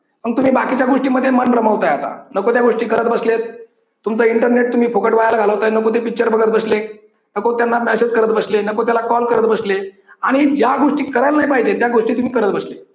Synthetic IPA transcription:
məɡ̚t̪um̤iːbakit͡ɕjaɡoʂʈiːməd̪ʱːjemənɾəməʋt̪ajat̪a̰nəkot̪jaɡoʂʈiːkəɾət̪̚bəslet̪ | t̪umt͡səiɳʈəɾneʈ̚t̪um̤iːfʰokəʈʋajajlaɡʱaləʋot̪anəkot̪̬epik̚t͡ɕəɾbəɡət̪̚bəsle | nəkot̪janːamɛsed͡zkəɾət̪̚bəslenəkot̪jalakɔlkəɾət̪bəsle | aɽ̃id͡ʑjaɡoʂʈiːkəɾəlnaɦjpaɦid͡ʑet̪jaɡoʂʈiːt̪um̤iːkəɾət̪bəsle

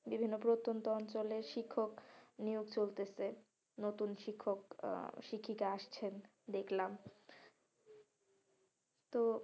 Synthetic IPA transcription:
bibʱinːopɾot̪ːont̪oɔnt͡ɕoleɾʃikʰːoknioɡt͡ɕolt̪ese | not̪unʃikʰːokʃikʰːikaaʃt͡ɕʰen | d̪ekʰlam | t̪o

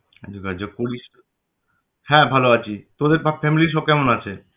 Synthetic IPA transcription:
d̪ikad͡ʑokoɾiʃ | hɛ̃bʱaloat͡ɕʰit̪od̪eɾbafʰɛmiliʃ̬ɔb̚kɛmonat͡ɕʰe

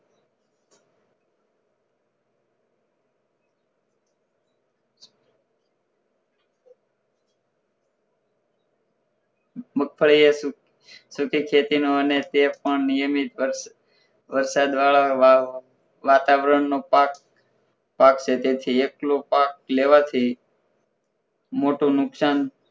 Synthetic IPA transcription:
məkʰfʰəɭie | sʊkʰikʰet̪inoənet̪epəɳnijəmit̪ | ʋəɾsad̪ʋaɭa | ʋat̪aʋɾəɳnopak | pakt͡ʃʰet̪et̪ʰieklopak̚leʋat̪ʰi | moʈũnʊksan

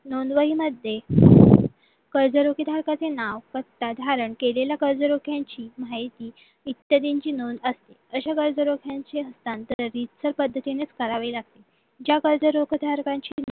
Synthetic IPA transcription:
nond̪ʋəɦiːməd̪ʱje | kəɾd͡zəɾokid̪ʱaɾkat͡senaʋkət̪ːad̪ʱaɾəɳkeleljakəɾd͡zəɾokʰjaɲt͡ɕiːmajt̪iː | it̪ːjəd̪iɲt͡ɕiːnond̪əst̪eəɕakəɾd͡zəɾokʰjaɲt͡seɦəst̪ant̪əɾːit̪səɾpəd̪ʱːət̪inet͡skəɾaʋeːlaɡ̚t̪e | d͡ʑjakəɾd͡zəɾokʰd̪ʱaɾkaɲt͡ɕi

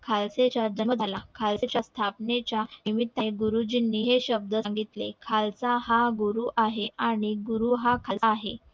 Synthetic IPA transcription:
kʰalset͡ɕad͡ʑəməd̪ʱalakʰalset͡ɕjast̪ʰapnet͡ɕjaimit̪ːaɡuɾud͡ʑinːiːɦeɕəb̚d̪əaŋɡit̪lḛkʰalt͡saɦaɡuɾuʔaɦeaɽ̃iɡuɾuɦakʰalːɦḛ

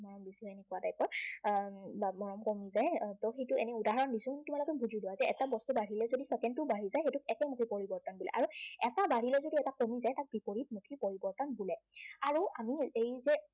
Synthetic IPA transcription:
mɔɹɔmbislɔɛnɛkuwatajpɔɹ | bamɔɹɔmkomizajtɔxejtʊḛnɛudaɦaɹɔndisʊntumalɔkɛbuzʱiduwazɛɛtabɔstubaɹilɛzodisɛkɛntʊbaɦizajxejtʊk̚ɛkɛmukʰipoɹibɔɹtɔnbulɛ̰ʔa̰ɹuɛtabaɹilɛzodiɛtakomizajtak̚bipoɹit̚mukʰipoɹibɔɹtɔnbulɛaɹuamiejzɛ

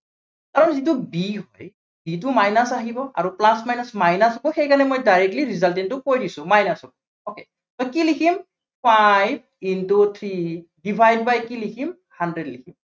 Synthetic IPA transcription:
kaɹɔnzitubiɦoj | bit̬umajnasaɦibɔʔa̰ɹuplasmajnasmajnasɔbɔxejkanɛmojdajɹɛk̚liɹizaltɛntʊkojdisʊ̃majnasɔbɔ | oke | tɔkilikʰim | pajb̚ | intut̪ʰɹidibʱajd̚bajkilikʰim | handɹɛdlikʰim

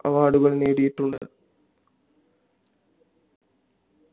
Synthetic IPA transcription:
ɐ̰ʋaːɽuɣɐɭneːɽijiʈːuɳɖɨ

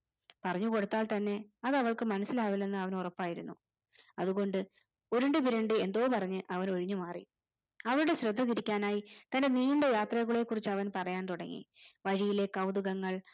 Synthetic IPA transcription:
pɐrɐɲːuko̞ɽut̪ːaːlt̪ɐnːe̞ɐðɐʋɐɭkɨmɐnɐsːilaːʋilne̞nːɨɐʋɐnurɐpːaːjiɾunːu | ɐðuɣo̞ɳɖɨ | o̞ɾuɳɖɨpiɾeɳɖɨe̞nd̪o̞ːpɐrɐɲːɨʔɐʋɐno̞ɻiɲːɨmaːrḭ | ɐʋɐɭuɽe̞ɕɾɐd̪ʱːɐt̪iɾikʲːaːnaːjit̪ɐnde̞niːuɳɖejaːt̪rɐɣuɭekːurit͡ɕːɐʋɐnpɐrɐjaːnt̪uɽɐŋːḭʋɐɻijile̞kːɐwðuɣɐŋːɐɭ

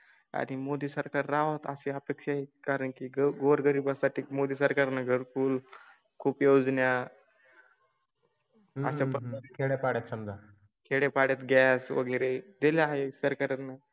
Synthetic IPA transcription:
a̰ɽ̃imod̪iːsəɾkaɾːaɦot̪a̰seəpekʂaɦikaɾəɳkiɡɡoɾɡəɾiːbasaʈʰiːmod̪iːsəɾkaɾnaɡʱəɾkuːl | kʰuːpjod͡znja | ə̰sapəəkʰeɽepaɽjat̪səmd̪a | kʰeɽepaɽjat̪ɡɛsʋə̰ɡəɾed̪eljaɦefəɾkəɾat̪na

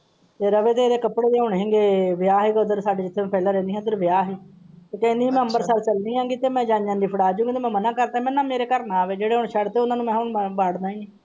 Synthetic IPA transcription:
t̪eːɾəʋeːt̪̬eːɾeːkəpːɽeːd̪eːɦʊɳɦẽːŋɡeːʋɪjaːɦiːɡəd̪əɾsaːɖeːd͡ʒɪt̪ʰːeːmɛ̃ːpɛːlaːɾɛ̃ːnd̪iːɦãd̪əɾʋɪjaːɦiː | t̪eːkɛ̃ːnd̪iːiːmɛ̃ːə̃mbəɾsəɾt͡ʃəlnĩːɦãːŋɡiːt̪eːmɛ̃ːd͡ʒãːnd͡ʒaːnd̪iːpʰəɽaːd͡ʒũːɡit̪eːmɛ̃ːmənãːkəɾt̪aːmɛnːãːmeːɾeːkəɾnãːʋeːd͡ʒeːɽeːɦʊɳʃʰəɽt̪eːʊnaːnũːmɛ̃ːɦʊɳbaːɽd̪ãːɦẽːɡiː

